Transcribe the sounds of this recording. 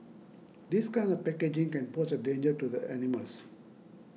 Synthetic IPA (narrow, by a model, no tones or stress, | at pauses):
d̪iskãɪ̃ndɔvpɛked͡ʒĩŋkɛ̃nposədẽːnd͡ʒəʈud̪əʔɛniməls